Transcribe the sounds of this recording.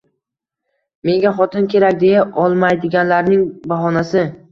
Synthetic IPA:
me̞ŋɡʲaχɒt̪ʰɪnkʲʰe̞ɾakʲd̪e̞jaʔɒlˠmajd̪ɪɡʲanlaɾnɪŋbaɦɒnasɪ

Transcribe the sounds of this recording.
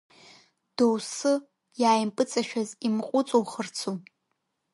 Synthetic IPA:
d̥owsɨ | jaːjmpʼɨt͡sʼaʃᶣazimqʷʼʊt͡sʼuwχərt͡sʰu

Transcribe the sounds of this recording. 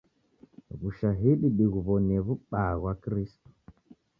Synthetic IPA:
ɣuʃaɦiɗiɗiɣuβɔnɛβuɓaɣwakɾistɔ̥

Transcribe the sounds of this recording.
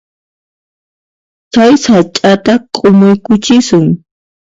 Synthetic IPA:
t͡ʃajsat͡ʃʼat̪aqʼomʊjkʊt͡ʃɪsʊŋ

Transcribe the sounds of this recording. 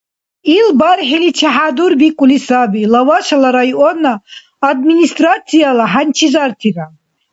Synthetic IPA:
ilbaɾħilit͡ʃʰaħad̪uɾbikʷʼulisabilawaʃalaɾajʔɔnaː | d̪̚minist̪ʼɾat̪sʰijalaħant͡ʃʰizaɾt̪ʰiɾa

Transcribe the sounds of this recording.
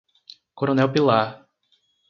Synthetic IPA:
koɾonɛwpilaɾ

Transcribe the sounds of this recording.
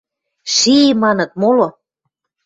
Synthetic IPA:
ʃimɑnɤ̆t̪̚molo

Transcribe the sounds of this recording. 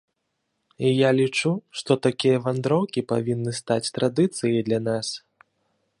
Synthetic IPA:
ijalʲit͡ʂuʂt̪ɔt̪akʲijɐvand̪ɾɔwkʲipavʲinːɨst̪at͡sʲt̪ɾad̪ɨt̪sɨjɐjd̪lʲanas

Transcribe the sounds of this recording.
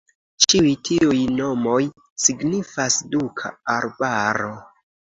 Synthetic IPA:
t͡ʃiujtʰiujno̞mo̞j | siɡnifasdukʰa̰aɾbaɾo̞

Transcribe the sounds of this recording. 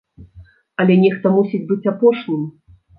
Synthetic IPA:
ɐlʲɛnʲɛxt̪ɐmusʲid͡zʲbɨt͡sʲapɔʂnʲim

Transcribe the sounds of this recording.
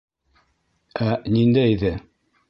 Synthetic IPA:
ænind̪æjiðɘ

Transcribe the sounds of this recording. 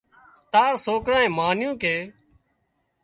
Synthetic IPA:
t̪aːɾsoːkɾãːẽːmaːnjũːkeː

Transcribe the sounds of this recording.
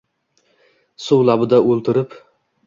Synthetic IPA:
sʊwlˠabɪd̪aʔolˠt̪ʰɪɾɪp

